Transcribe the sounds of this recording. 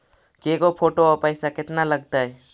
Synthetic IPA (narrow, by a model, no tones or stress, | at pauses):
keɡopʰoʈoɔpajsaket̪naləɡ̚t̪aj